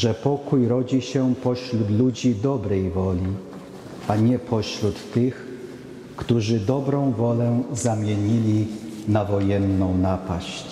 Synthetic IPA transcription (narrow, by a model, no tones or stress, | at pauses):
ʐɛpɔkujɾɔd͡ʑiɕɛpɔɕlut̪lud͡ʑid̪ɔbɾɛjvɔlʲi | ʔaɲɛpʰɔɕlut̪ːɘx | kt̪uʐɘd̪ɔbɾɔ̃w̃vɔlɛzamʲjɛɲilʲinavɔjɛnːɔ̃w̃napaɕt͡ɕ